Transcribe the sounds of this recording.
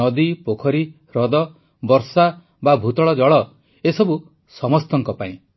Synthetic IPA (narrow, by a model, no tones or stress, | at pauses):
ɔd̪ipokʰɔɾi | ɾɔd̪ɔ | bɔɾsa | babʱut̪ɔɭɔd͡ʒɔɭɔ | esɔbu | sɔmɔst̪ɔŋkɔpaĩ